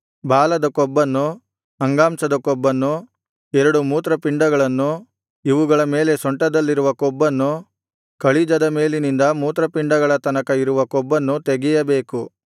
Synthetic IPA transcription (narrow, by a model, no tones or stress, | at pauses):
baːlɐd̪ɐkɔbːɐnːu | ɐŋɡaːmsɐd̪ɐkɔbːɐnːu | ɛɾɐɽumuːt̪ɾɐpiɳɖɐɡɐɭɐnːu | iʋuɡɐɭɐme̞ːle̞sɔɳʈɐd̪ɐlːiɾuʋɐkɔbːɐnːu | kɐɭid͡ʒɐd̪ɐme̞ːlinind̪ɐmuːt̪ɾɐpiɳɖɐɡɐɭɐt̪ɐnɐkɐiɾuʋɐkɔbːɐnːut̪eɡɛjɐbe̞ːku